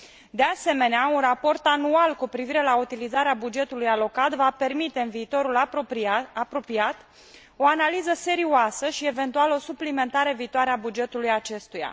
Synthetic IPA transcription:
d̪e̞ase̞me̞neaunrapo̞rt̪anualkupɾiviɾe̞laut̪ilizaɾeabud͡ʒe̞t̪ulujalo̞kat̪vape̞rmit̪e̞ɨnviːt̪o̞ɾul | apɾo̞piat̪ | o̞analizəse̞ɾiuasəʃie̞ve̞nt̪ualo̞suplime̞nt̪aɾe̞viːt̪oaɾeabud͡ʒe̞t̪ulujat͡ʃe̞st̪uja̰

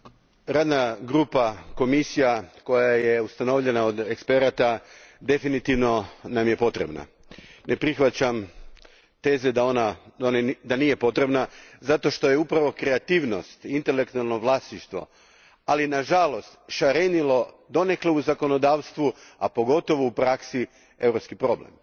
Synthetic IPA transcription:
ɾaːd̪naɡɾuːpako̞misijako̞jaje̞ust̪ano̞ʋʎe̞naod̪ekspe̞ɾat̪ad̪e̞finit̪iʋno̞namje̞po̞t̪ɾe̞̰bna̰ | nʔe̞pɾixʋat͡ɕam | t̪e̞ːzed̪aonaoned̪anije̞po̞t̪ɾe̞bnazat̪o̞ʃt̪o̞jeupɾaʋo̞kɾe̞at̪iːʋno̞̰st̪int̪e̞le̞kt̪ualˠno̞ʋlˠaːsniʃt̪ʋo̞̰ | alinaʒalo̞st̪ʃaɾenilo̞ | d̪o̞ne̞kleuzako̞no̞d̪aːʋst̪ʋuapo̞ɡo̞t̪o̞ʋoupɾaksi | e̞vɾo̞pskipɾo̞blḛm

